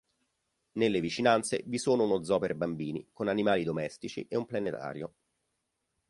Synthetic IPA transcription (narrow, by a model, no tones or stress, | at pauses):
nelːevit͡ʃinant̪sḛvisoːnounod̪zɔːpeɾebambiːnḭkonanimaːlid̪omɛst̪it͡ʃḭʔeumplanet̪a̰ːɾjo